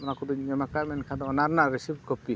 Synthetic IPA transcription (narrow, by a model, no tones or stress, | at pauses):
mɔnakud̪uɛmakamɛnkʰad̪ɔɔnaɾnaʔɾɛsib̚kɔp̚ki